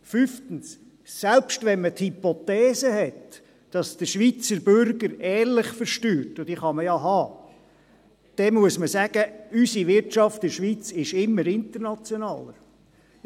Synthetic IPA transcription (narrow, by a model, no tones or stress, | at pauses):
fyftən̩s | sɛlpʃtʋɛnmət̪hipot̪ɛːsəhɛt | d̥ɑsd̥̪əʃʋit͡səɾbøɾɡəɾɛːɾlɪχfəɾʃtyːɾtʊd̥iχɑməjɑɦɑː | d̥ɛmuəsməsæɡ̥əysiʋɪɾtʃɑftɪʃʋit͡sɪʃɪmːəɾɪnt̪əɾnɑt͡sjonɑːləɾ